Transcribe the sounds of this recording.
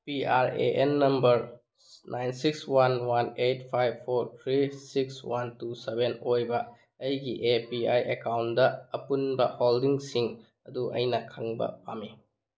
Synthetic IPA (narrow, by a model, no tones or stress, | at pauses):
piaɾḛʔenːɐmbɐɾ | nʔajnsikswanwanet̚pʰajb̚pʰːoɾt̪ʰɾisikswantusebenojbɐː | jɡiʔepiajʔekawndɐːpunbɐholdiŋsiŋ | ɐduʔɐ̰jnɐkʰɐŋbɐ̰pa̰mi